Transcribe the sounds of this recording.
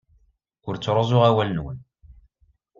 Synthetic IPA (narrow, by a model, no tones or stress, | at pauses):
ʊɾt͡sːɾˤozˤʊʁæwælənwən